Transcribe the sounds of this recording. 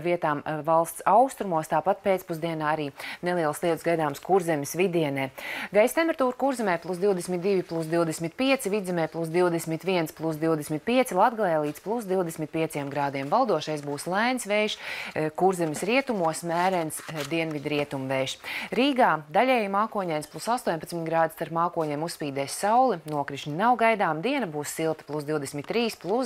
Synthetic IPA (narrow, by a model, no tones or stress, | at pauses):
viɛt̪aːmvalˠst̪sawst̪ɾumuɔst̪aːpat̪̚peːt̪spuzd̪iɛnaːaɾiːnelˠiɛlˠslˠiɛt̪sɡajd̪aːmskuɾzɛmʲɪsvid̪iɛnɛːɡajst̪empʲɛɾt̪uːɾkuɾzɛmɛːplˠusd̪iwd̪ɛsmʲit̪̚d̪iʋʲiplˠus̬d̪iwd̪ɛsmit̪̚piɛt̪sivid̪zɛmɛːplˠus̬d̪iwd̪ɛsmit̪ʋiɛnsplˠusd̪iwd̪ɛsmit̪̚piɛt̪silˠad̪ɡalˠɛjlˠiːt̪splˠusd̪iwd̪ɛsmʲit̪̚piɛsʲiɛmɡɾaːd̪iɛmvalˠd̪uɔʃɛjsbuːslˠæjnsʋɛjʃkuɾzɛmisɾiɛt̪umuɔsmæːɾɛnsd̪iɛnvʲid̪ɾiɛt̪umvɛjʃɾiːɡaːd̪alʲɛːjmaːkuɔɲʲɛjnsplˠusast̪uɔɲʲpat̪smit̪ʲɡɾaːd̪ist̪aɾpmaːkuɔɲɛːmusspiːd̪ɛːsʲsawlˠinuɔkɾiʃnʲinawɡajd̪aːmd̪iɛnɐbuːssilˠt̪ə̥plˠusd̪iwd̪ɛsmʲit̪ːɾiːsplˠus